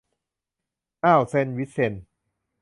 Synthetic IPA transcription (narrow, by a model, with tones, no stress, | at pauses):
ʔaː˧˩wse˧nwi˦˥t̪̚se˧n